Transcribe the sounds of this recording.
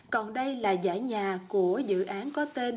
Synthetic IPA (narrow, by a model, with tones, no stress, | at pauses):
kɔ˨˩nɗə˧jlaː˨˩za̰ː˧˩jɲaː˨˩ku˧˩əzɨ̰˧˨ʔaː˨˦nkɔ˨˦t̪e˧n